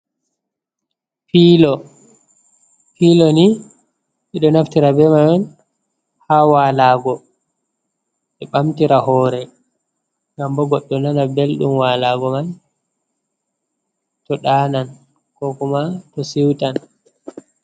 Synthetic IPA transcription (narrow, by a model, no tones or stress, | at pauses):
fiːlɔ | filɔni | ʔiɗɔnaftiɾabɛmanɔn | hawaːlaːɡɔ | ɓɛɓamtiɾahɔːɾɛ | ŋɡambɔɡɔɗːɔnanabelɗumwaːlaɡɔman | tɔɗaːnan | kɔkumatɔsiwtan